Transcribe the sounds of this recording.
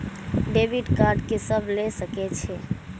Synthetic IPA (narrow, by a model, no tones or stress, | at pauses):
ɖebiɖkaɾɖkesəbʱlesəkɛt͡ʃʰɛ